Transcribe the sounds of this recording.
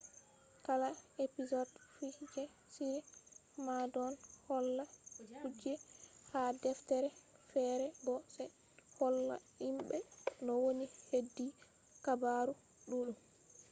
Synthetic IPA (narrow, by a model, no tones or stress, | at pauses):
kalaepizɔdfihd͡ʒɛ | siɾɛ | madɔnhɔlːakud͡ʒɛhadɛftɛɾɛfɛɾɛbɔsɛ | hɔlːa̰ | imɓɛnɔwonihedːi | kabaɾu | ɗuɗum